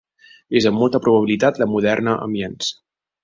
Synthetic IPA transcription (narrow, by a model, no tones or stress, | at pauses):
ezəmːɔlˠt̪əpɾuβəβ̞ilit̪at̪̚ləmuð̞ɛrnəʔə̰mbjens